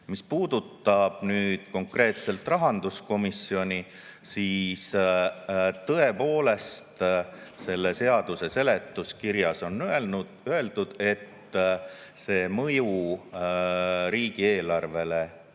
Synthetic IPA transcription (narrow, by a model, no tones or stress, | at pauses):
mispuːd̪̥ut̪ːˑɑb̥̚nyːd̪̥ko̞ŋkre̞ːt̪se̞lt̪rɑɦɑnd̪̥usko̞misio̞nʲi | siːs | t̪ɤ̞e̞po̞ːle̞st̪se̞lːese̞ɑd̪use̞se̞let̪ːuskiɾjɑso̞nːe | øe̞ld̪̥ud̪̥e̞t̪ː | se̞ːmɤ̞ju | ɾiːɡ̥ie̞ːlɑrve̞le̞